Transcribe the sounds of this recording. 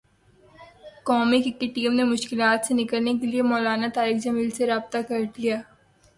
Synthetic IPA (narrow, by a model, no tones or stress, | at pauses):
kɔːmikɪkːeʈiːmnemʊʃkɪlaːt̪senɪkəlnekeliemɔːlaːnat̪aːɾiːxd͡ʒɐmiːlseɾaːb̚t̪akɐɾd̪ijaː